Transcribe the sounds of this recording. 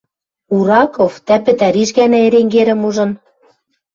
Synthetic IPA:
uɾɑkoft̪æpɘ̆t̪æɾiʃɣænæeɾeŋɡeɾɘ̆muʒɤ̆n

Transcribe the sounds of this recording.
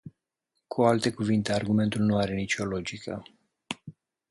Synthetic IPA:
kʰualt̪e̞kuvint̪e̞arɡume̞nt̪ulnuaɾe̞nit͡ʃo̞lo̞d͡ʒikʰə̰

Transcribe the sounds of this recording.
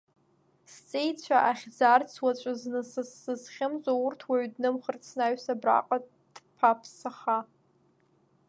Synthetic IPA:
st͡sʼejt͡ɕʷʰaʔaχʲd͡zart͡sʰwat͡ɕʷʼaznɨsɨsːɨzχʲɪmzʷʼaʊrtʰwaɥdnɨmχərt͡sʰnaɥsabra̰qʼa | d̥pʰapʰsaχa

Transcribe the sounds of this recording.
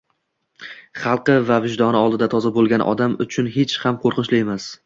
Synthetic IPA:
χɑlˠqɨvavɪʒd̪ɒnɪɒlˠd̪ɪd̪at̪ʰɒzabolˠɡʲanʔɒ̰d̪amʊt͡ʃʰʊnɦet͡ʃhamqʰoɾqɨnʃlɪe̞mas

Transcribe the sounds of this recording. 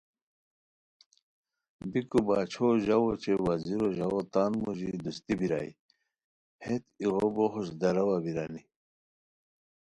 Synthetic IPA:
bikubaːt͡ɕʰoʑawot͡ɕewaziɾoʑawot̪aːnmoʑid̪ust̪ibiɾa̰i | het̪iɣoboɦuɕd̪ɐɾɐwabiɾani

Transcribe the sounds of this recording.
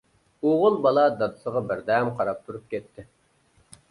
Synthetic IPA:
oʁʊlˠbɑlˠɑd̪ɑd̪ɨsəʁɑbɪɾd̪ɛmqʰɑɾɑp̚t̪ʰuɾup̚kʲʰɛt̪ʰːɪ

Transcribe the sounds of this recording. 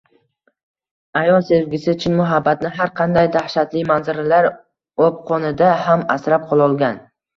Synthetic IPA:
ajɒse̞vɡʲɪsɪt͡ʃʰɪnmʊɦabːat̪nɪɦaɾqʰɑnd̪ajd̪ahʃat̪lɪmanzɪɾɪlaɾ | op̚qʰɒnɪd̪ahamasɾap̚qʰɒlˠɒlˠɡʲan

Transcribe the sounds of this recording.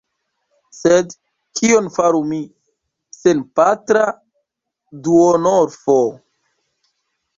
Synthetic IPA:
sed | kʰionfaɾumi | senpatɾa | duonoɾfo

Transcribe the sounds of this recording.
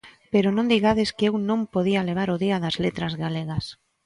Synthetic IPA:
peɾʊnõnd̪iɣaðɪskɪewnõmpoðiɐleβ̞aɾʊðiɐðɐzlet̪ɾɐzɣaleɣɐs

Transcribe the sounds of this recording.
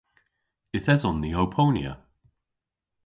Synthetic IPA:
ɪθɛzɔnðiowpʰownj̰ə̰

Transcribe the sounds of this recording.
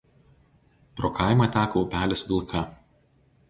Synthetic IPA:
pɾoːkʰɑˑɪmɐˑt̪ʲæːkoʊːpʲæːlʲɛsʋʲɪlˠkʰɐ

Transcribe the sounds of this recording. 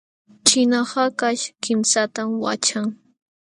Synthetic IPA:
t͡ʃɪnɑhɑkaʃkɪmsat̪amwa̰t͡ʃaŋ

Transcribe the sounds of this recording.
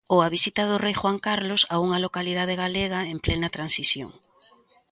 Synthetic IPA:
oaβisit̪ɐðʊrejxwaŋkaɾlosauŋɐlokalið̞að̞eɣaleɣ̞ɐemplɛnɐt̪ɾansisjo̰ŋ

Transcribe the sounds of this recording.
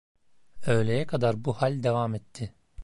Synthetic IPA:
ø̞jlʲejɛkʰad̪aɾbuhalʲd̪evaːmɛt̪ʰːɪ

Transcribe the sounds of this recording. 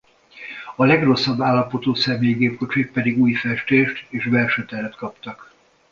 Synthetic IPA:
ɒlɛɡro̞sːɒbːaːlːɒpo̞t̪oːsɛmeːjiɡeːp̚ko̞t͡ʃik̚pɛd̪iɡuːjfɛʃt̪eːʃt̪eːʃbɛlʃøt̪ɛɾɛt̪kɒpt̪ɒk

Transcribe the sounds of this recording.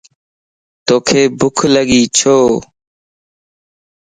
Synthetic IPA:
t̪oːkʰeːbʊkʰləɠiːt͡ʃʰoː

